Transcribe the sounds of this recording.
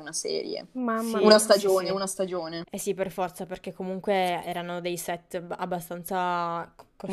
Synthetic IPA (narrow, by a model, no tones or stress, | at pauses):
unasɛ̰ːɾjḛmamːunast̪ad͡ʒoːneunast̪ad͡ʒoːneɛsiperfɔrt̪saperk̟ekʰːomuŋkweɛːɾanod̪ejsɛt̪ːa̰bːast̪ant̪sa | ko